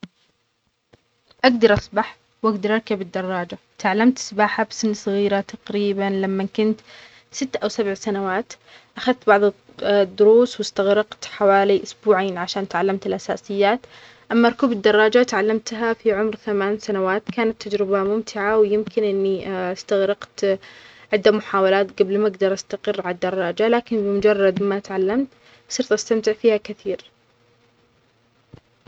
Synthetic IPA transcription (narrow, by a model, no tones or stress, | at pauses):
ʔaɡd̪ɑɾˤʔɑsˤbaħ | wʔaɡd̪ɑɾˤʔɑɾˤkabɪd̪ːɑrˤːɑːd͡ʒa | t̪aʕalːamt̪sbaːħabsɪnːsˤɨɣiːɾat̪ɑqɾiːbanlamːakʊnt̪ | sɪt̪ːʔawsabʕsanawaːt̪ | ʔaxaðt̪bɑʕðˤ | d̪ːʊɾuːswɪst̪aɣɾɑqt̪ħawaːliʔʊsbuːʕaːnʕaʃaːnt̪ʕalːamt̪ɪlʔasa̰ːsɪjːaːt̪ | ʔamːaɾˤkuːbɪd̪ːɑrˤːɑːd͡ʒat̪ʕalːamt̪ɦafiʕʊmɾθamaːnsanawaːt̪kaːnat̪ːad͡ʒɾɪbamʊmt̪ʰɪʕawjɪmkɪnʔɪnːiast̪aɣɾɑqt̪ʕɪd̪ːamʊħaːwalaːt̪ɡablmaɡd̪ɑɾˤʔast̪aqɪrːʕalad̪ːɑrˤːɑːd͡ʒalaːkɪnbɪmʊd͡ʒɑrˤːɑd̪mat̪ʕalːamt̪ | sˤɨɾt̪ʔast̪amt̪ɪʕfiːhakɪθiːɾ